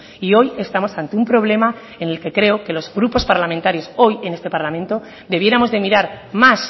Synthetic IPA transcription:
io̞je̞st̪amo̞sant̪eumpɾo̞β̞le̞ma | ene̞lke̞kɾe̞oke̞lo̞zɣɾupo̞spaɾlamẽnt̪aɾjo̞so̞je̞ne̞st̪e̞paɾlamẽnt̪o̞ | d̪e̞β̞je̞ɾamo̞zðe̞miɾaɾ | mas

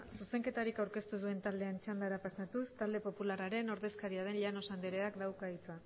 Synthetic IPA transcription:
suse̞ŋke̞t̪aɾikawɾke̞st̪uðue̞nt̪ald̪e̞ant͡ʃand̪aɾapasat̪ust̪ald̪e̞po̞pulaɾaɾe̞no̞ɾðe̞skaɾiaðe̞nʎano̞sand̪eɾe̞akd̪awkait͡s̪ua

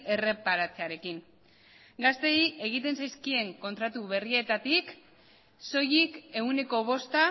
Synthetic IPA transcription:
e̞re̞paɾat͡se̞aɾe̞kiŋ | ɡast̪e̞iʔe̞ɣ̞it̪e̞nsajskie̞ŋko̞nt̪ɾat̪uβe̞rie̞t̪at̪ik | so̞jike̞une̞ko̞β̞o̞st̪a

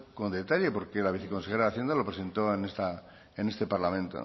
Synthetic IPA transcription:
kond̪e̞t̪aʎepoɾkelaβ̞iθeko̞nsexeɾaðaθje̞nd̪alo̞pɾese̞nt̪oenest̪a | ene̞st̪e̞paɾlamẽnt̪o̰

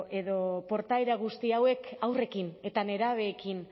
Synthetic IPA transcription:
ʔe̞ðo̞po̞ɾt̪ajɾaɣ̞ust̪iawe̞kawre̞kine̞t̪ane̞ɾaβ̞e̞ːkin

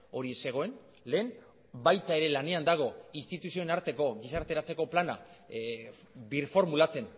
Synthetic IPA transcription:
o̞ɾise̞ɣ̞o̞e̞n | le̞ːn | bajt̪ae̞ɾe̞lane̞and̪aɣ̞o̞inst̪it̪usio̞enaɾt̪e̞ko̞ɣisaɾt̪e̞ɾat͡se̞ko̞plana̰ | biɾfo̞ɾmulat͡se̞n

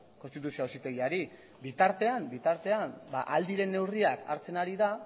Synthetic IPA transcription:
ko̞nst̪it̪usioosit̪e̞ɣiaɾi | bit̪aɾt̪e̞ambit̪aɾt̪e̞amba̰ʔald̪iɾe̞nːe̞wriaka̰ɾt͡se̞naɾiða

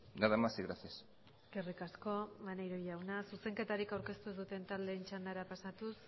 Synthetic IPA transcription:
ɡaðamasiɣɾaθias | ɡerikasko̞manejɾojawnasuse̞ŋke̞t̪aɾikawɾke̞st̪uezðut̪e̞nt̪ald̪e̞ːnt͡ʃand̪aɾapasat̪us

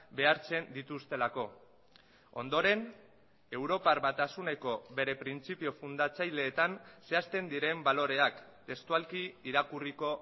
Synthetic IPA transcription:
be̞aɾt͡se̞nd̪it̪ust̪e̞lako̞ | o̞̰nd̪o̞ɾe̞n | e̞wɾo̞parβat̪asune̞ko̞βe̞ɾe̞pɾint͡sipio̞fund̪at͡sajle̞ːt̪anse̞ast̪e̞nd̪iɾe̞mbalo̞ɾe̞ak | t̪e̞st̪ualkiiɾakuriko̞

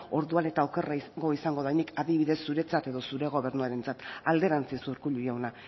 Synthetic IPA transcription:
o̞ɾðuane̞t̪aoke̞raiɡo̞isaŋɡo̞ðajnikʰaðiβ̞iðe̞sːuɾe̞t͡sat̪e̞ðo̞suɾe̞ɣ̞o̞βe̞ɾnuaɾe̞nt͡sat̪ald̪e̞ɾant͡sisuɾkuʎujawna

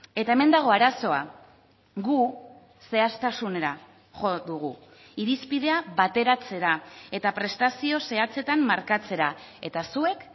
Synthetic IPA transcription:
e̞t̪ae̞me̞nd̪aɣ̞o̞aɾaso̞a̰ | ɣu | se̞ast̪asune̞ɾa | xo̞ðuɣ̞u | iɾispiðe̞aβat̪e̞ɾat͡se̞ɾae̞t̪apɾe̞st̪asio̞se̞at͡se̞t̪amːaɾkat͡se̞ɾae̞t̪asue̞k

